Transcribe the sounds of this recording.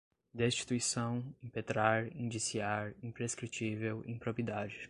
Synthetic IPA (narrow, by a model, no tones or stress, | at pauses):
d̪est͡ʃi̥t̪uisɐ̃w̃ĩpet̪ɾaɾĩd͡ʒisiaɾĩpɾeskɾit͡ʃivewḛ̃pɾopiid̪ad͡ʒɪ